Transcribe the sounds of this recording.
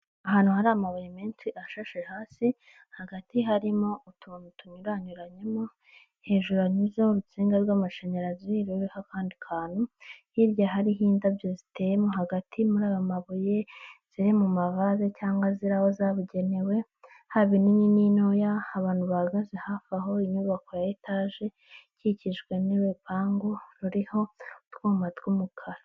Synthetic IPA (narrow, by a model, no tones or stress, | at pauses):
aɦaːnhuhaɾaːmaβujemiːnsiʔaʃaʃehaːsi | haɡatiɦaɾimo̞ʔutʰuːnutuɲuɾaɲuɾaɲemo̞ | he̞ːʒuɾaɲuzeoɾut͡siːŋɡaɾɡwaːmaʃeɲaɾaziɾiɾuɾikakaːndikʰaːn̥uhiɾjaɦaɾiɦiːndavjozitejemo̞ɦaɡatʰimuɾaːjomaβuje̞z̥iɾimumaβazecaːŋɡwaziɾaho̞zaβuɟe̞ne̞we̞ | haβininininojaːβaːntduβaɡazihafaɦo̞iɲuβako̞jaitʰaʒe̞ | ciciʒɡwe̞niwe̞paːŋɡoɾuɾiho̞twuːmatɡumukʰaɾa